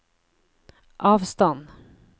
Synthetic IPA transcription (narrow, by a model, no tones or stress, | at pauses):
ʔɑːvst̪ɔnd̪